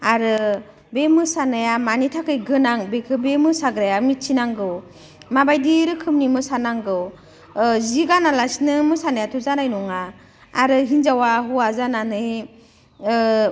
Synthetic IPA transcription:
aɾɯ | bemɯsanɯjamanitʰakʰɯjɡɯnaŋbekʰɯbemɯsaɡɾajamitt͡ʃʰinaŋɡɯw | mabajdiɾɯkʰɯmnimɯsanaŋɡɯw | ziɡanalasinɯmɯsanajatʰɔzanajnɔŋaː | ɾɯɦinzawaɦuazananɯj

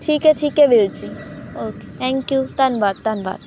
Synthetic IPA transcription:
ʈʰiːkɛʈʰiːkɛʋeːɽt͡ʃioːke̥t̪ʰɛ̃ŋkjut̪ɐnʋaːt̪ːɐnʋa̰ːt̪

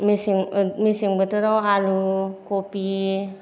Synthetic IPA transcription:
misiŋmisiŋbət̪uɾaalukopi

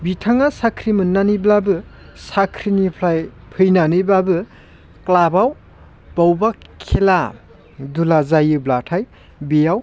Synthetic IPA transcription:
bitʰaŋasakʰɾimɯnːaniblabɯ | sakʰɾinipʰlajpʰɯjnanibabɯ | klabaw | b̥awba | kʰːela | dulazajɯblatʰaj | bijaw

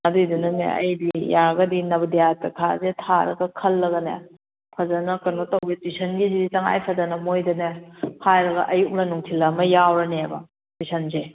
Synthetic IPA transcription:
ɐdudunɐnḛɐ̰jdijaɡɐdinɐbɐdijatɐkʰazetʰaɾɐ̰ɡɐkʰɐlːɐɡɐnḛ | pʰɐzɐnɐkɐnotɐwbetisʰɐnɡiziditɐŋa̰jpʰɐzɐnɐmojdɐnehajɾɐɡɐ̰ʔɐjuk̚lɐnuŋtʰilɐmɐjawɾɐnebɐ̰ | tisʰɐnze

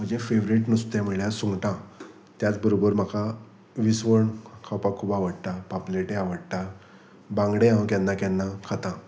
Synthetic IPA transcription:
m̤əɳd͡zefeʋɾiʈnust̪jam̤əɭjasuŋɡʈã | t̪jat͡sbəɾobəɾm̤aka | ʋisʋəɳkʰawpakʰuːbaʋəɽt̪apapleʈeaʋəɽt̪a | bãŋɡɽeɦãwkjanːakanːakʰat̪ã

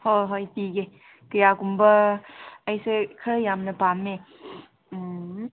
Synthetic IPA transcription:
hoɦɔjpiɡe | kɯjakumbɐː | jsekʰɯjamnɐpamːe

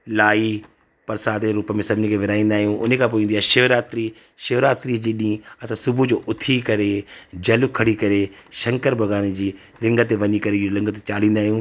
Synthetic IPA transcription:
laːi | pɐɾsaːd̪eɾuːpəmẽsɐbʱɪnikʰeʋɪɾaːĩːn̆d̪aːɦijũʔʊ̰nekʰãp̬oːĩːn̆d̪iaːʃɪʋɾaːt̪ɾi | ʃɪʋɾaːt̪ɾid͡ʑiɗĩːɐsãsʊbʱud͡ʑoːʔʊt̪ʰikɐɾed͡ʑɐlʊkʰɐɽikɐɾeʃɐ̃ŋkəɾbʱɐɡaːned͡ʑiː | lɪ̃ŋɡət̪eʋɐɲikɐɾelɪ̃ŋɡət̪̬et͡ɕaːl̤ĩːn̆d̪aːɦijũː

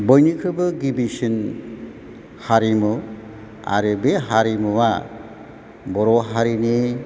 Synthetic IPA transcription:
bɯjnikʰɾɯbɯɡibisin | haɾimɯ | a̰ɾɯbeɦaɾimɯwa | bɔɾɔɦaɾini

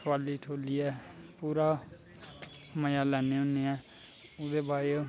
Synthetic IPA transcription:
ʋaːliːʈʰoːliːɛːpuːɾaː | məjaːlɛːneːõneːɛː | ʊd̪eːbʱaːjoː

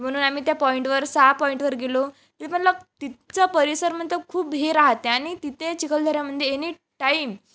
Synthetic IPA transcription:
m̤əɽ̃uːnam̤it̪japɔiɳʈʋəɾsapɔiɳʈʋəɾɡelo | t̪it̪ʰepəɳləɡ̚t̪it͡səpəɾisəɾm̤ənt̪əkʰuːpɦeɾaɦt̪eañit̪it̪et͡ɕikəld̪ʱəɾjam̤əd̪ʱjeeni | ʈaim

